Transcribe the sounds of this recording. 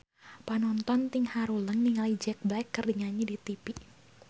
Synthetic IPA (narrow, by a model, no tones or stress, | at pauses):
panɔnt̪ɔnt̪iŋhaɾuləŋniŋalid͡ʒɛk̚blakːərdiŋaɲɛdit̪ipi